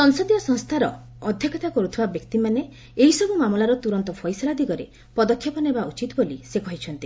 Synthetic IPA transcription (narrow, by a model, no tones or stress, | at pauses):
sɔŋsɔd̪ijɔsɔŋst̪ʰaɾɔː | d̪ʱjɔkʰɔt̪akɔɾut̪ʰibabjɔkt̪imane | eɦisɔbumamɔlaɾɔt̪uɾɔnt̪ɔpʰɔjsɔlad̪iɡɔɾe | pɔd̪ɔkʰːjɔpɔnebaut͡ʃit̪ɔbolisekɔɦit͡ʃʰɔnt̪i